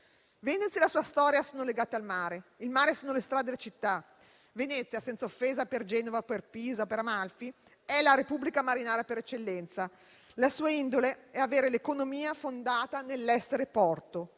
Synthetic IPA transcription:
venet̪sːielasuːast̪ɔːɾjasoːnoleɡaːt̪ealmaːɾeilmaːɾesoːnolest̪ɾad̪d̪elːat͡ʃit̪ːa | venɛt̪sjasɛnsaofːeːzaperd͡ʒɛːnovaperpiːzaopeɾamalfi | ɛlaɾepubːlikamaɾinaːɾjapeɾɛt͡ʃːelːɛnt̪sa | lasuːaind̪oleɛaveːɾelekonomiːafond̪aːt̪anelːɛsːeɾepɔrt̪o

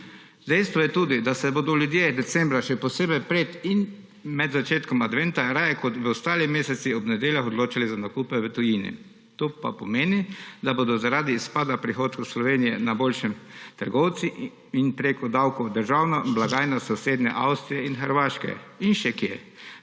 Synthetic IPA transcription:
d̪ɛjst̪ʋɔjɛt̪uːd̪id̪asɛbod̪ɔlʲjud̪jed̪ɛt̪sɛmbɾaʃɛpɔseːbɛjpɾet̪in | mɛd̪zat͡ʃeːt̪kɔmad̪ʋɛnt̪aɾajɛkɔt̪ʋəɔst̪aːlimeːsɛt̪siɔbnɛd̪eːljaxɔd̪loːt͡ʃalizanakuːpɛʋət̪ɔjinḭ | t̪oːpa̰pɔmeːnid̪abod̪ɔzaɾaːd̪iːspaːd̪apɾixot̪koslɔʋeːnijɛnaboːlʃɛmt̪əɾɡɔwt̪si | inpɾeːkɔd̪awkɔd̪əɾʒawnɔblaɡaːjnasɔseːd̪nʲɛ̰ʔawst̪ɾijɛinxəɾʋaːʃkɛ̰inʃɛkjḛ

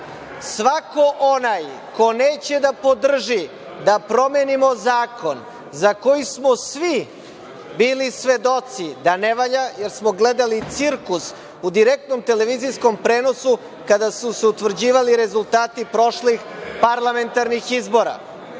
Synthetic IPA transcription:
sʋako̞ʔonaj | ko̞neːt͡ɕed̪apo̞d̪r̩ʒi | d̪apɾo̞me̞nimo̞zaːko̞n | zako̞jismosʋi | biːlisʋe̞d̪o̞t̪sid̪aneʋaʎaje̞ɾsmoɡle̞d̪alit̪siɾkus | ud̪iɾek̚t̪no̞mt̪e̞le̞ʋizijsko̞mpɾeːno̞su | kad̪asuseut̪ʋr̩d͡ʑiːʋaliɾe̞zulˠt̪aːt̪ipɾo̞ʃlixpaɾlˠame̞nt̪aɾnixizbo̞ɾa̰

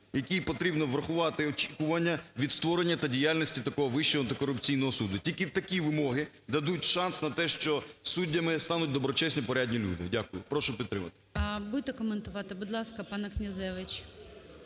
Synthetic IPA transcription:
jɐkʲijpɔt̪ɾʲibnɔʋɾɐxʊʋɑt̪ɪɔt͡ʃʲi̥kʊʋɐnʲːɐʋʲid̪st̪ʋɔɾenʲːɐt̪ɐdʲijalʲnʲɔsʲtʲit̪ɐkɔɦɔʋɪʃt͡ʃɔɔɐnt̪ɪkɔɾʊpt͡sʲijn̪ɔɦɔsud̪ʊtʲilʲkɪt̪ɐkʲiʋɪmɔɦɪ | d̪ɐd̪utʲʃɑnsnɐt̪ɛʃt͡ʃɔsudʲːɐmɪst̪ɑnʊt̚ʲd̪ɔbɾɔt͡ʃɛsʲnʲipɔɾʲadʲnʲilʲṵd̪ɪ̰dʲakʊjʊpɾɔʃʊpʲid̪t̪ːɾɪmɐ̰t̪ɪ̥ɐbud̪t̪ɛkɔment̪ʊʋɑt̪ɪbʊd̪lˠɑskɐpɑnɐknʲɐzɛʋɪt͡ʃʲ

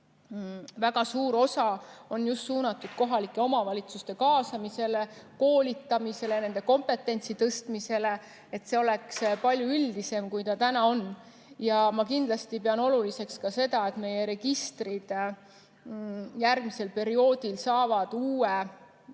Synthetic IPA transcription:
væɡ̥ɑsuːɾo̞sɑo̞njust̪suːnɑt̪ːˑud̪̥ko̞ɦɑlikːˑe̞o̞mɑvɑlʲit̪sust̪e̞kɑːsɑmise̞le̞ko̞ːlʲit̪ːˑɑmise̞lene̞nd̪e̞ko̞mpe̞t̪ːˑe̞nʲt̪sit̪ɤst̪mise̞le̞ | et̪se̞o̞lekspɑlʲjuyld̪ise̞mkujt̪ɑt̪ænɑo̞n | jɑmɑkind̪lɑst̪ipeɑno̞lulise̞kskɑse̞d̪ɑe̞t̪me̞je̞ɾe̞ɡ̥ist̪rid̪̥ | jærɡmise̞lpe̞ɾio̞ːd̪̥ilsɑːvɑd̪̥uːe

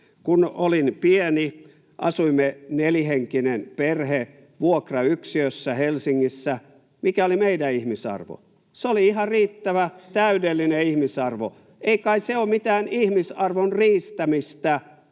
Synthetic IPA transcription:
kunolinpieni | ʔɑ̰suimːeneliheŋkinenperhe | ʋuokrɑyksiøsːæhelsiŋːisːæ | mikæolimeidæihmisɑ̰rʋo̰ | seoliihɑriːt̪ːæʋæt̪æydelːineihmisɑrʋo̰ | eikɑiseoːmmit̪æːnihmisɑrʋonriːst̪æmist̪æ

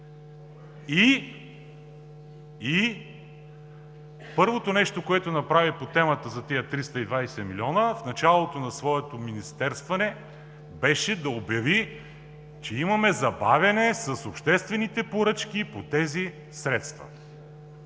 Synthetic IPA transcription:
i | i | pɤɾvot̪onɛʃt̪okoɛt̪onɐpɾavipot̪ɛmət̪əzɐt̪ijət̪ɾist̪əid̪vajsɛmilʲiɔnəfnɐt͡ʃalˠot̪onɐsvɔɛt̪ominist̪ɛɾst̪vɐnɛ | bɛʃɛd̪ɐobjɐvi | t͡ʃɛimɐmɛzɐbavʲjɐnɛsɐsopʃt̪ɛst̪vɛnit̪ɛpoɾɤt͡ʃk̟ipot̪ɛzi | sɾɛt̪st̪vɐ̰

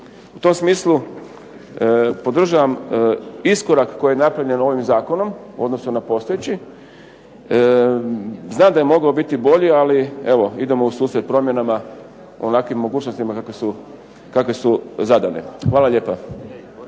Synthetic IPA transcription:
ut̪o̞msmiːslˠu | po̞d̪r̩ʒaʋam | isko̞ɾakkːo̞jijenapɾaʋʎʲe̞no̞ʋimzaːko̞no̞m | o̞d̪no̞sunapo̞st̪ojet͡ɕi | znaːmd̪ajemo̞ɡaobit̪ibo̞ʎialieʋo̞id̪e̞mousuːsɾet̪̚pɾo̞mje̞nama | oonakʋimːo̞ɡuːt͡ʃno̞st̪imakakʋesu | kakʋe̞suzad̪a̰ne̞̰xʋaːlaʎe̞ːpa

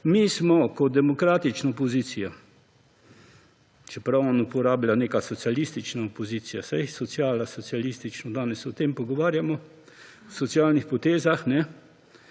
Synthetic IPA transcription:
mismɔkɔd̪ɛmɔkɾaːt̪it͡ʃnaopoziːt̪sija | t͡ʃɛpɾawɔnupɔɾaːblʲaneːkasɔt̪sjalist̪it͡ʃnaopoziːt̪sijasajsɔt̪sjaːlasɔt̪sialist̪it͡ʃnɔd̪aːnɛsɔt̪empɔɡɔʋaːɾjamɔ | wsɔt̪siaːlnixpɔt̪eːzaxnɛ

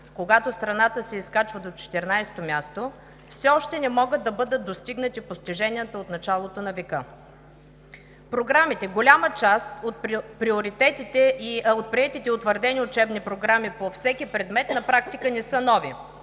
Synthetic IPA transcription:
koɡat̪ost̪ɾɐnat̪əsɛiskat͡ʃvəd̪ot͡ʃɛ̥t̪ɛɾnajst̪omʲjast̪o | fsɛɔʃt̪ɛnɛmɔɡət̪ːɐbɤd̪ət̪̚d̪ost̪iɡnət̪ipost̪iʒɛnijət̪əot̪nɐt͡ʃalˠot̪onɐvɛkɤ | pɾoɡɾamit̪ɛɡolʲamət͡ʃast̪ot̪̚ppɾioɾit̪ɛt̪it̪ɛʔiot̪̚pɾiɛt̪it̪ɛot̪vəɾd̪ɛniʊt͡ʃɛbnipɾoɡɾamipofsɛkʲipɾɛd̪mɛt̪nɐpɾak̚t̪ikənɛsɤənɔvi

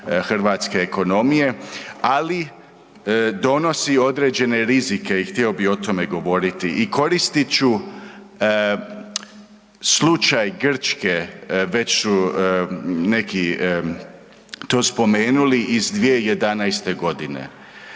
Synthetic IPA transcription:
xr̩ʋaːt̪ske̞ːko̞no̞mije̞ali | d̪o̞no̞sio̞d̪ɾeːd͡ʑe̞ne̞ɾizike̞ixt̪ieo̞bio̞t̪o̞me̞ɡo̞ʋo̞ɾit̪iʔiko̞ɾist̪it͡ɕu | slut͡ʃajɡr̩t͡ʃke̞ʋe̞t͡ɕsu | neki | t̪o̞ːspo̞meːnuliʔizd̪ʋije̞je̞d̪anajst̪e̞ɡo̞d̪inḛ

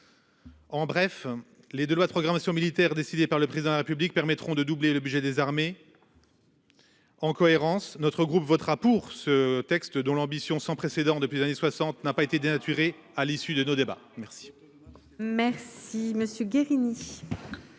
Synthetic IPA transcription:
ɑ̃bʁɛf | led̪ølwad̪əpχɔɡʁamasjɔ̃milit̪ɛʁd̪esid̪epaʁləpχezid̪ɑ̃d̪laʁepyblik̚pɛʁmɛt̪χɔ̃d̪əd̪ubleləbyʒɛd̪ezaʁme | ɑ̃kɔeʁɑ̃snɔt̪χəɡʁupvɔt̪χapuʁsət̪ɛkst̪d̪ɔ̃lɑ̃bisjɔ̃sɑ̃pχesed̪ɑ̃d̪əpɥiezaneswasɑ̃t̪napaet̪ed̪enat̪ʰyʁe | alisyd̪ənod̪eba̰mɛʁsi̥ | mɛʁsiməsjøɡʲeʁini

